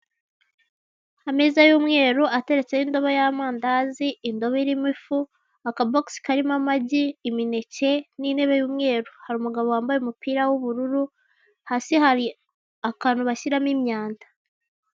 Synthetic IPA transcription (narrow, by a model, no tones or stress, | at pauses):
ameːzajuːmŋe̞ːɾuʔate̞ɾe̞t͡se̞jindo̞βajamaːndaziindo̞βeɾimifu | akaboksi̥kaɾimamaɟiːmine̞ce̞nine̞βe̞juːmŋe̞ːɾuhaɾuːmuɡaβowaːmbajeumupiːɾawuβuɾuɾu | hasihaɾi | akaːnuβaçiɾamimɲaːndḁ